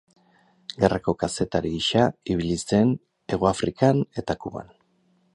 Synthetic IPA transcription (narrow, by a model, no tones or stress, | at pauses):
ɡerʔako̞kase̞t̪aɾiːʃaiβ̞ilise̞n | e̞ɣoafɾikane̞t̪akuβa̰n